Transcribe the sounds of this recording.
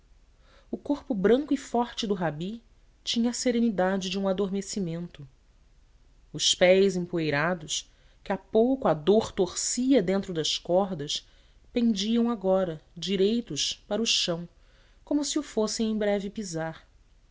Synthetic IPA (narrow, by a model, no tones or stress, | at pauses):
ʊkoɾpʊbɾɐ̃ŋkʊifɔɾt͡ʃɪd̪ʊɦabi | t͡ʃĩɲɐːseɾenid̪ad͡ʒɪd͡ʒɪũad̪oɾmesimẽnt̪ʊ | ʊspɛjzẽpuejɾad̪ʊs | kɪapowkʊad̪oɾt̪oɾsiɐd̪ẽnt̪ɾʊd̪ɐskɔɾd̪ɐs | pẽnd͡ʒiɐ̃w̃aɡɔɾɐd͡ʒiɾejt̪ʊʃpaɾʊʃɐ̃w̃ | kõmʊsiʊfosẽj̃ẽj̃bɾɛvɪpizaɾ